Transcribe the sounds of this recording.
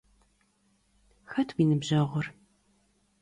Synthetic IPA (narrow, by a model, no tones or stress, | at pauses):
xɐtʰwiːnɨbʑɐʁʷʊr